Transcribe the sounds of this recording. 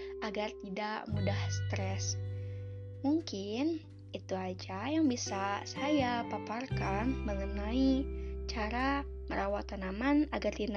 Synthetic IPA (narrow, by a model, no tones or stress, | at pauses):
ʔaɡart̪idaʔmudahsə̥t̪ɾɛs | muŋkɪn | it̪uad͡ʒajaŋbisasajapaparkanməŋənait͡ʃaɾaməɾawat̪anamanaɡart̪in